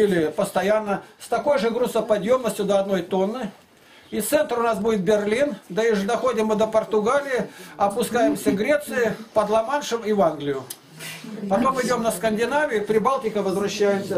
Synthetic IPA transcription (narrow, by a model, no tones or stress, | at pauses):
ilʲɪpəst̪ɐjanːəst̪ɐko̞jʐɨɡɾusəpɐd̪jo̞mnəsʲtʲʊd̪əɐd̪no̞jt̪o̞nːɨ | it̪sɛnt̪ɾʊnasbudʲɪt̪̚bʲɪrlʲind̪ɐɪʐɨd̪ɐxo̞dʲɪmːɨd̪əpərt̪ʊɡalʲɪjɪɐpʊskajɪmsʲəɡɾʲet̪sɨjɪpəd̪lˠɐmanʂɨmɪvanɡlʲɪjʊ | pɐt̪o̞mɪdʲo̞mnəskənʲdʲɪnavʲɪjʊpɾʲɪbalˠtʲɪkəvəzvɾɐɕːæjɪmsʲə